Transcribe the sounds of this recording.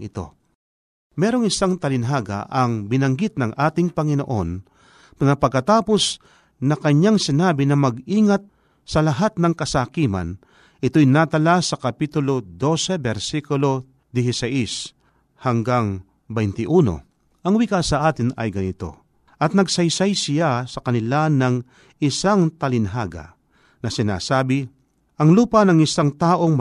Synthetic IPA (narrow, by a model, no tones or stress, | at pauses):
ɪt̪o̞̰ | mɛːɾo̞ŋɪsaŋt̪ɐlɪnɦaːɡa̰ʔɐŋbɪnɐŋɡɪt̪̚nɐŋʔaːt̪ɪŋpɐŋɪno̞ʔo̞̰n | nɐpɐɡ̚kːɐt̪aːpo̞s | nɐkɐɲaŋsɪnaːbɪnɐmɐɡ̚iːŋat̪̚ | sɐlɐɦat̪̚nɐŋkɐsaːkiːmɐ̰n | ʔɪt̪ojnaːt̪ɐlasɐkɐpiːt̪ʊlo̞d̪o̞ːsɛbɛɾsikʊlo̞ | d̪ɪɦɪsaʔis | hɐŋɡaŋ | bɛjnt̪ɪʔuːno̰ | ʔɐŋwikasɐʔaːt̪ɪnɐ̰jɡɐnɪt̪o̞̰ | ʔɐt̪̚nɐɡsɐjsajsɪjasɐkɐnɪlanɐŋ | ʔɪsaŋt̪ɐlɪnɦaːɡɐ̰ | nɐsɪna̰ːsaːbɪ | ʔɐŋluːpɐnɐŋɪsaŋt̪aːʔo̞ŋm